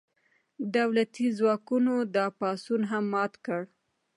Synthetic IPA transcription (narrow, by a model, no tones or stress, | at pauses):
d̪awlat̪izwɑkunod̪ɑpɑsunɦamːɑt̪kəɽ